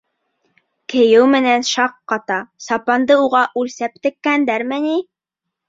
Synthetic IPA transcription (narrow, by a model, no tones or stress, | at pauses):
kɘ̆jɘwmɘ̆nænʃɑqːɑt̪ɑsɑpɑnd̪ɤuʁɑʔʉlsæp̚t̪ɘ̆kːænd̪æɾmɘni